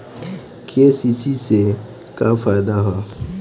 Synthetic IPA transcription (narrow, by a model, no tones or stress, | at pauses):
kʰesisise | kafaːɪd̪aɦɛ